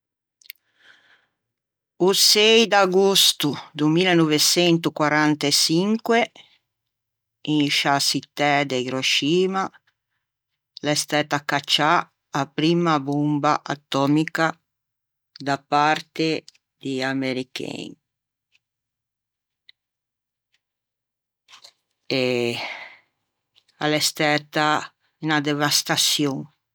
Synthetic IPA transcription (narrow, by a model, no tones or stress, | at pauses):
usɛjd̪aɡust̪ud̪umilanɔvet͡ʃɛnt̪ukwaɾant̪esiŋkwe | inʃasit̪ːɛd̪eiɾoʃiːma | lest̪ɛːt̪akat͡ʃːa | apɾiːmabumbaʔa̰t̪ːɔmika | d̪apaɾt̪e | d̪iameɾikḛn | e | alɛst̪ɛt̪a | inad̪evast̪asjoŋ